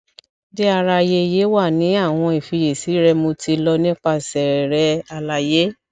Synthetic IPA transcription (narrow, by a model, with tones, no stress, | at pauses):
de˦a˧ɾa˧je˧je˨˦wa˦˨nĩ˨˦a˦˨w̃ɔ̃˧i˨fi˧je˨si˨˦ɾɛ˧mo˧ti˧lɔ˧nĩ˦k͡pa˦˧sɛ˨ɾɛ˨ɾɛ˨˧a˧la˧je˦